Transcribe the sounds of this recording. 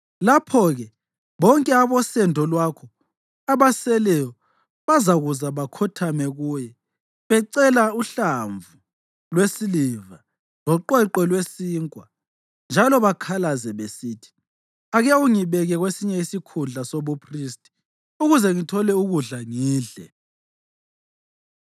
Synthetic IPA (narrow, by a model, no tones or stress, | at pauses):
lapʰɔɣɛ | βɔŋkʼɛaβɔsɛndʱɔlwakʰɔ | aβasɛlɛjɔ | βazaɣuzaβakʰɔtʰamɛɣuːjɛ | βɛǀɛlauɬaɱvu | lwesiliva | lɔǃɛǃɛlwesiːŋkʼwa̰ | nd͡ʒʱalɔβakʰalazɛβesiːtʰi̥ | aɣɛuŋiβɛɣɛɣwesiɲɛisikʰunɮʱasoβupʰristʼi̥ | uɣuzɛŋitʰɔlɛuɣuɮaŋiːɮɛ̰